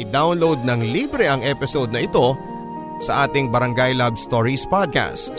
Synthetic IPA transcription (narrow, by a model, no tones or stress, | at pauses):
ʔɪd̪awnlowd̪̚nɐŋliːbɾɛʔɐŋʔɛpɪsod̪nɐʔɪt̪o̞ | sɐʔaːt̪ɪŋbɐɾɐŋɡajlabst̪oɹispad̪̚ka̰st̪̚